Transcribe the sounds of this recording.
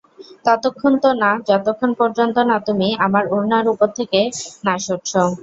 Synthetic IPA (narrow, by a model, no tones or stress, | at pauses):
t̪ɔt̪okʰːont̪onad͡ʑɔt̪okʰːonpɔɾd͡ʑont̪onat̪umiamaɾuɾnaɾupoɾt̪ʰekenaʃoɾt͡ɕʰo